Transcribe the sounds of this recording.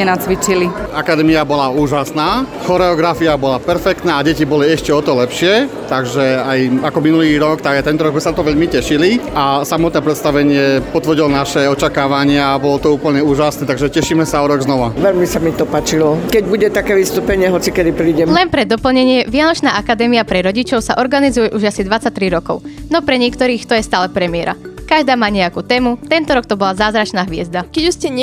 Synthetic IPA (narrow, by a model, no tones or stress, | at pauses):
ɛnat͡sʋit͡ʃiliakad̪ɛːmiabɔlauːʒasnaːxɔɾɛɔɡɾafiabɔlapɛɾfɛkt̪naːɟɛcibɔliɛʃcɛɔt̪ɔlɛpʃɪɛt̪aɡʒɛajakɔminuliːɾɔkt̪aɡt̪ɛnt̪ɔɾɔɡzmɛsat̪ɔʋɛʎmicɛʃiliʔasamɔt̪nɛːpɾɛt̪st̪aʋɛɲɪɛpɔt̪ʋr̩ɟilɔnaʃɛɔt͡ʃakaːʋaɲɪaːbɔlɔt̪ɔuːpl̩ɲɛuːʒasnɛːt̪aɡʒɛcɛʃiːmɛsaɔɾɔɡznɔʋaʋɛʎmisamit̪ɔpaːt͡ʃilɔkɛɟbuɟɛt̪akɛːʋist̪uːpɛɲɪɛɦɔt͡sikɛd̪ipɾiːɟɛlɛnpɾɛd̪ɔpl̩ɲɛɲɪɛʋɪanɔt͡ʃnaːʔakad̪ɛːmiapɾɛɾɔɟit͡ʃɔʊsaʔɔɾɡanizujɛʔuʒasid̪ʋat͡sac̚t̪ɾiɾɔkɔʊnɔpɾɛɲɪɛkt̪ɔɾiːxt̪ɔjɛst̪aːlɛpɾɛmɪɛɾa̰kaʒd̪aːmaːɲɛjakuːt̪ɛːmut̪ɛnt̪ɔɾɔkt̪ɔbɔlazaːzɾat͡ʃnaːɦʋɪɛzd̪akɛɟuscɛɲ